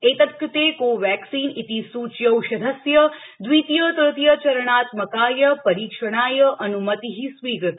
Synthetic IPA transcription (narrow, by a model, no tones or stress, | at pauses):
et̪ɐp̚kut̪ekoʋɛksiːnit̪isuːt͡ʃjɐwʃɐd̪əsjəd̪ʋit̪jət̪ət̪jət͡ʃɐɾəɳ̃aːt̪mɐkaːjɐpɐɾiːkʃəɳ̃aːjəʔɐnumət̪iɦisʋiːɡət̪